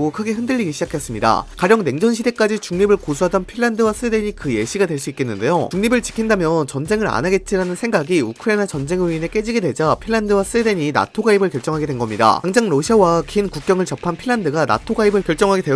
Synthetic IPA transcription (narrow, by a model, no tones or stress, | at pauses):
okʰɯɡe̞ɦɯndɯɭʎːiɡiɕʰid͡ʑakʰe̞s͈ɯmɲida̰kaɾjʌŋne̞ŋd͡ʑʌnɕʰide̞k͈ad͡ʑit͡ɕuŋɲibɯɭkos̬ʰuɦadʌnpʰiɭːandɯwas͈ɯede̞ɲikɯje̞ɕʰiɡadwe̞ɭs͈uik͈e̞nːɯnde̞jot͡ɕuŋɲibɯɭt͡ɕi̥kʰindamjʌnt͡ɕʌnd͡ʑe̞ŋɯɾa̰naɡe̞t̚t͡ɕ͈iɾanɯnsʰe̞ŋɡaɡiukʰɯɾenat͡ɕʌnd͡ʑe̞ŋiːne̞k͈e̞d͡ʑiɡedwe̞d͡ʑapʰiɭːandɯwas͈ɯede̞ɲina̰tʰoɡaibɯɭkjʌɭt͡ɕ͈ʌŋɦaɡedwe̞nɡʌmɲida̰aŋd͡ʑaŋɾʌɕʰiawakinkuk͈̚jʌŋɯɭt͡ɕʌpʰanpʰiɭːandɯɡana̰tʰoɡaibɯɭkjʌɭt͡ɕ͈ʌŋɦaɡe̞dwe